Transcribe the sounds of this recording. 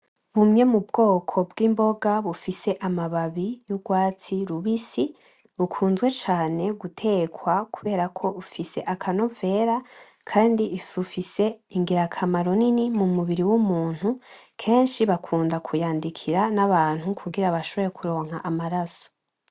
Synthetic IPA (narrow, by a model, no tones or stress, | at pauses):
βumɲe̞mubɡo̞ːkʰo̞bɡiːmbo̞ɡaβufise̞ʔamaβaβijuɡwaːt͡siɾuβisi | βukʰuːnzɡwe̞t͡ʃaːne̞ɡutʰe̞ːkwakuβe̞ːɾakʰo̞ufise̞ʔakʰano̞ve̞ːɾa | kʰaːndiifɾufise̞iŋɡiɾakʰamaɾoninimumuβiɾiwumuːn̥hukʰe̞ːnʃiβakʰuːndakʰujaːndikʰiɾanaβaːn̥hukʰuɡiɾaβaʃo̞βo̞ɾekʰuɾo̞ːŋhaʔamaɾaso̥